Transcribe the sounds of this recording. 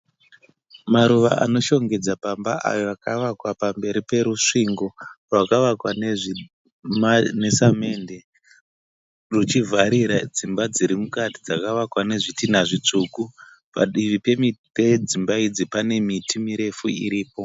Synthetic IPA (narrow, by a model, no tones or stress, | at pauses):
maɾuʋa̰ʔa̰no̞ʃo̞ŋɡe̞d͡zapambaʔa̰jo̞akaʋakwapambe̞ɾipe̞ɾuʂiŋɡo̞rwakaʋakwae | mne̞same̞nde | rut͡ʃivʱaɾiɾad͡zimbad͡ziɾimukati̥d͡zakaʋakwane̞ʐitinaʐit͡ʂuːku | pa̰ɗiʋipe̞miped͡zimbaid͡zipane̞mitʰimiɾe̞fuḭɾiːpo̞